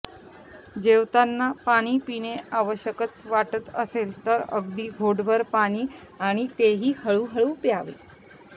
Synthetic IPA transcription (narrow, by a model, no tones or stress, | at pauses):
d͡ʑeʋt̪anːapaɽ̃iːpineaʋəɕjəkət͡sʋaʈət̪əselt̪əɾə̰ɡd̪iːɡʱoɽbʱəɾpaɽ̃iː | aɽ̃it̪eɦiːhəɭuɦəɭuːpjaʋḛ